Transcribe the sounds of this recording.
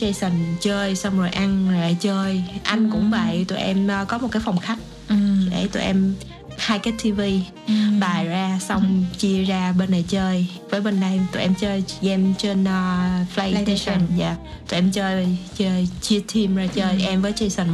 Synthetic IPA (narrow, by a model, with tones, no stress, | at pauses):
t͡ɕə˧jsə˨˩nt͡ɕəː˧jsa˧wŋ͡mzo˨˩jʔa˧ŋzaː˨˩˨t͡ɕəː˧jʔa˧jŋ̟kʊ̰˧˥ŋ͡mva̰ː˨˧˨jt̪ṵ˧˩˨jʔɛ˧mʔːkɔ˨˦mo˨˩t̚kaː˨˦fɔ˧wŋ͡mxa˦˥k̚ | ɗe˧˩t̪ṵ˧˩˨ʔɛ˧m | haː˧jkaː˨˦˥t̪ʰi˧vi˧ | ɓaː˨˩jzaː˧sɔ˧wŋ͡mt͡ɕi˧əzaː˧ɓe˧nɗə˨˩jt͡ɕəː˧j | vəː˨˦jɓe˧nɗə˧jt̪ṵ˨˧˩ʔɛ˧mt͡ɕəː˧jʔɛ˧mt͡ɕe˧nː˧fla˧jt̪e˧sə˧˩nzaː˧˩ | t̪u˨˩jʔɛ˧mt͡ɕəː˧jt͡ɕəː˧jt͡ɕi˧ət̪ʰi˧mzaː˧˩t͡ɕəː˧jʔɛ˧mvəː˨˦jt͡ɕəː˧jsə˨˩n